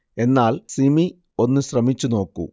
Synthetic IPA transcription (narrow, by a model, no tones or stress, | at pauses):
e̞nːaːlsimi | o̞nːɨɕrɐmit͡ɕːuno̞ːkːṵ